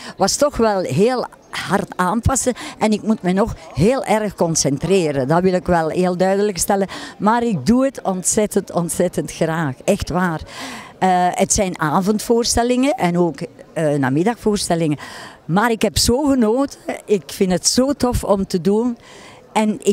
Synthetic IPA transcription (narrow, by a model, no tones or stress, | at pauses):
ʋɑstɔxʋɛlˠɦeːlˠ | hɑrtaːnpɑsəʔɛnɪkmutmɛnɔxɦeːlˠʔɛrxkɔnsɛntreːɾəndɑʋɪlˠɪkʋɛlˠɦeːlˠdœɥdələkstɛləmaːɾɪk̚duətɔntsɛtəntɔntsɛtəntxraːxɛxtʋaːrəətsɛjnaːvɔntfoːrstɛlɪŋəʔɛnoːkːna̰ːmɪdɑxfoːrstɛlɪŋəmaːɾɪkɦɛpsoːɣənoːtʰəɪkfɪntɦətsoːtɔfɔmtədun | ɛnɪ